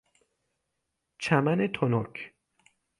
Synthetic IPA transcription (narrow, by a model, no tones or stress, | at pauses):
t͡ʃʰæmænet̪ʰonɔkʰ